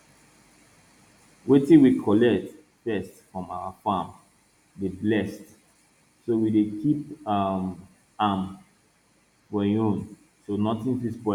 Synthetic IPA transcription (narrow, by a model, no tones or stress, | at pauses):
wetĩwikʰɔlɛk̚t | fɛstfɹɔ̃mawafãm | deblɛst | sowidekʰipam | am | wɛjõn | sonɔtĩnfispɛ